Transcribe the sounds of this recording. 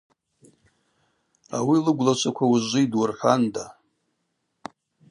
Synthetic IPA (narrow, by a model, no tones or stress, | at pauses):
awilɨɡʷlat͡ʃʷʰakʷʰawuzʷijdwʊrħʷanda